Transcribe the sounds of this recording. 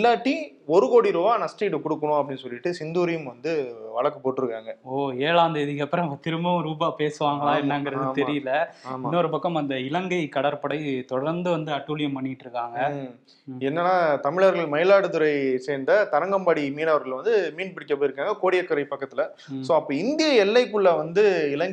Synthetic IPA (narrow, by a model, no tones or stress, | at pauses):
ɪlːaːʈːi | ɔɾɯkoːɽiɾuʋaːnɐsʈiːʈːkʊɽɯkːɐɳʊ̃ɐp̬ːɐɽɪnːɯsɔlːɪʈːɯsɪnd̪uːɾɐjɯmʋɐnd̪ɯʋɐɭɐkːɯpːoːʈːɯɾɯkːaːŋɡɐoːeːɭaːnd̪ɯɛðɪɣɐpːɯɾɐ̃ɐt̪ɪɾɯmbɐʋ̃ɾuːbaːpeːsɯʋaːŋɡɐɭãːɛnːɐŋɡɐɾɐðɯːt̪ɛɾɪjɯlːɐːɪmːnːɔɾɯpɐkːɐmɐnd̪ɐɪlɐŋɡɐɪkɐɽɐɾpɐɽɐɪt̪ɔɽɐɾnd̪ɯʋɐnd̪ɯɐʈːuːlɪjɐmpɐɳːɪɪʈːɾɯkːaːŋɡɐ | ɛnːɐnːaːt̪ɐmɪɭaːɾɣɐɭmɐɪlaːɽɯt̪ʊɾɐɪseːnd̪ɐt̪ɐɾɐŋɡɐmbaːɽimiːnɐʋɐɾɣɐɭʋɐnd̪ɯmiːnpɪɽɪkːɐpoːɪɾɯkːaːŋɡɐkoːɽɪjɐkːɐɾɐɪpɐkːɐt̪ːɪlɐ | soːɐpːɐːɪnd̪ɪjɐɛlːɐɪkːɯɭːɐʋɐnd̪ɯɪlɐŋɡ